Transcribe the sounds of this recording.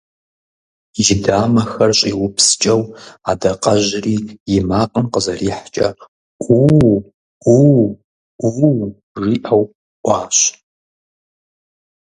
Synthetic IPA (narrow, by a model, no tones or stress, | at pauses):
ʒɪdaːmɐxɐrɕʼiwʊpʰst͡ʃʼɐwadɐqʼɐʒriːjɪmaːqʼənqəzɐriːħt͡ʃʼɐ | ʔu | u | u | ʐiːʔɐw | ʔʷɑːɕ